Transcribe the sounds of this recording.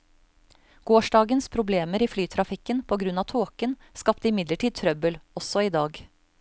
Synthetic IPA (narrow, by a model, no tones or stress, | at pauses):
ɡ̥oːʃɖɑːɡənspʰɾʊbleːməɾiːflyːt̪ʰɾɑfɪkənpʰoːɡɾʉnɑːt̪ʰoːkənskɑpt̪əɪmɪd̪ləʈʰiːd̪̚t̪ʰɾœbəlɔsɔiːd̪ɑːɡ